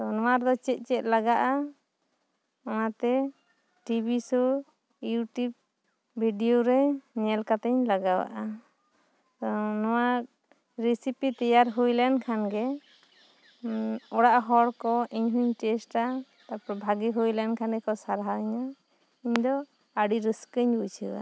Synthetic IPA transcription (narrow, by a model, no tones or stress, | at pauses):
t̪ɔnɔ̃waɾd̪ɔt͡ʃɛt̪̚ˀt͡ʃɛt̪̚laɡaʔa | ɔnat̪ɛ | ʈibisɔ | juʈub̚ | bʱiɖioɾɛɲɛlkat̪ɛɲlaɡawa̰ʔa | t̪ɔnɔwa | ɾisipit̪ɛjaɾɦujlɛnkʰanɡɛ | ɔɽaʔɦɔɽkɔiɲɦuɲʈɛsʈa | t̪apɾɔbʱaɡiɦujlɛnkʰanɡɛkɔsaɾɦaɲa | iɲd̪ɔ | aɖiɾəskəɲbujt͡ʃʰḭa̰